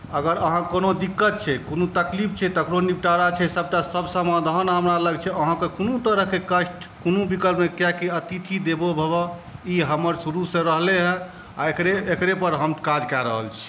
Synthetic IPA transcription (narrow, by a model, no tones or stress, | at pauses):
əɡəɾəɦãkonod̪ikːət̪̚t͡ʃʰɛkonot̪əklip̚ʰt͡ʃʰɛt̪əkɾonip̚ʈaɾat͡ʃʰɛsəb̚ʈasəbsəmad̪ʱənɦəmɾaləɡt͡ʃʰɛəɦãkekonot̪əɾəɦkekəsʈ | konubikəlpmekjɛkiət̪it̪ʰid̪ebobʱəbɔiɦəməɾsuɾusẽɾəɦleɦɛ̃ | a̰kɾeekɾepəɾɦəmt̪kad͡ʒkɛɾə̰ɦə̰lt͡ʃʰɛ̥